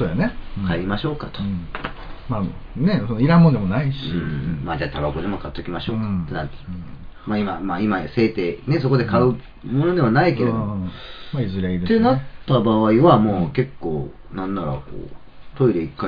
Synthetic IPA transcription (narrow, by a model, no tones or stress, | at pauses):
soːjanekʰaimaɕo̞ːkat̪o | maːnesonoiɾãmːond̪emonaiɕiɯːmaːd͡ʑaːt̪ʰabako̞d̪e̞mo̞kat̪ːo̞kʲimaɕo̞ːkaena̰t̪maimamaːimase̞ːt̪e̞ne̞so̞ko̞d̪e̞kaɯ̟ | mo̞no̞d̪e̞manaike̞ɾed̪maizɨɾʲiaid̪et̪enat̪ːabaβaiβamoːke̞kːo̞ː | nãnːaɾa̰ko̰ː | t̪o̞iɾe̞ikːa